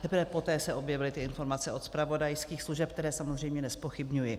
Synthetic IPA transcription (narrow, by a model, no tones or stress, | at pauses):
t̪ɛpɾvɛpo̞t̪ɛːsɛʔo̞bjɛvɪlɪt̪ɪɪnfo̞ɾmat͡sɛʔo̞t̪spɾavo̞dajskiːxsluʒɛp̚kt̪ɛɾɛːsamozr̝ɛjmɲɛnɛspo̞xɪbɲujɪ